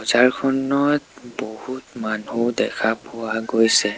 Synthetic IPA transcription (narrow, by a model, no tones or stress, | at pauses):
ɔzaɹkʰɔnɔtbohutmanudɛkʰapʊwaɡojsɛ